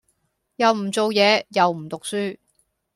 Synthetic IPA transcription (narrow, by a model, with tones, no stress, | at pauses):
jɐ˨wm̩˨˩t͡so˨˧wjɛː˨˧jɐ˨wm̩˨˩t̪ʊ˨k̚syː˥